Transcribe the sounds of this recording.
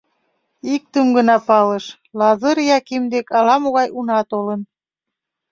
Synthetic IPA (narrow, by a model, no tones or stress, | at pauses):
ik̚t̪əmɡənɑpɑləʃ | lɑzəɾjɑkimd̪ekɑlɑmoɣɑjunɑt̪olən